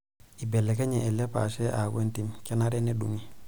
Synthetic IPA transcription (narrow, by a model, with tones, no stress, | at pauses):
i˨be˨lːe˨ka˦ɲe˨ʔɛ˨le˦pa̰˨ʃe˦ʔa˨kwe˦nti˨mka˦na˦ɾe˦ne˦du˨ŋi˦